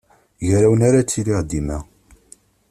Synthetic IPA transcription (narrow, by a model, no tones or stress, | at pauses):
jɾæwənaɾat͡sːiliʁd̪imæ